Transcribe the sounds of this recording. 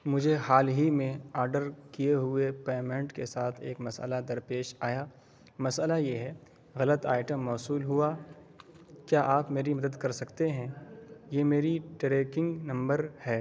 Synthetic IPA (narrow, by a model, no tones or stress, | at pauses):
mʊd͡ʒʱehaːlɦimẽaːɾɖəɾkijeɦʊepeːmẽɳʈkesaːt̪ʰeːkmɐsə̰lad̪ɐɾpeːʃaːjaː | mɐsəlajeɦɛ | ɣɐlət̪a̰ːɪʈə̃mːɔːsuːlɦua | kjaːʔaːpmeːɾimɐd̪əd̪kɐɾsɐkt̪eɦɛ̃jeːmeːɾiʈɾeːkɪ̃ŋɡnɐ̃mbəɾhɛː